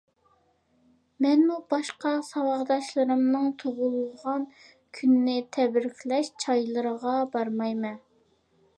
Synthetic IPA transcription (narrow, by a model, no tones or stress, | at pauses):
mɛnmubɑʃqɑsɑwɑʁd̪ɑʃlˠɨɾɨmnɨŋt̪ʰoʁʊlˠʁɑn | kʲʰynːɪt̪ʰɛbɾɪkʲʰlɛʃt͡ʃʰɑjlˠɨɾəʁɑbɑɾmɑjmɛn